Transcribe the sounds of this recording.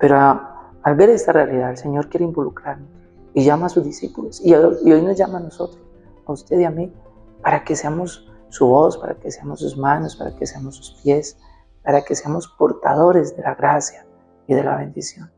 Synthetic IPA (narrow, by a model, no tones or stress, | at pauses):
pe̞ɾoa | alβe̞ɾe̞st̪arealiðaðelse̞ɲo̞ɾkje̞ɾeimbo̞lukɾaɾno | iʝamaːsuzd̪isipulosiio̞jno̞zd͡ʒamano̞so̞t̪ɾos | aust̪e̞ðiami | paɾake̞seamo̞sː | uβo̞spaɾa̰keseamo̞sːuzmano̞spaɾa̰ke̞seamosːu̥spje̞s | paɾake̞seamo̞spo̞ɾt̪a̰ðo̞ɾe̞zd̪e̞laɣɾasja | iðe̞la̰βe̞nd̪isjo̞n